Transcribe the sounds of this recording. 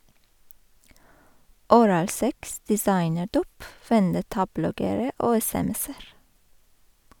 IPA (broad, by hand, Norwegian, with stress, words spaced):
ʊˈɾɑːlˌsɛks dɛˈsɑɪnəˌɖuːp ʋɛnˈdɛtɑˌblɔɡəɾə ˈoː ɛsɛˈmɛs ˈæːɾ